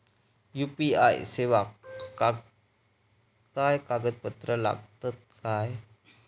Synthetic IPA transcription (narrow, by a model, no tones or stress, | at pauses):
jupia̰jsewaka | kajkaɡət̪̚pət̪ɾəla̰k̚t̪ət̪̚kaj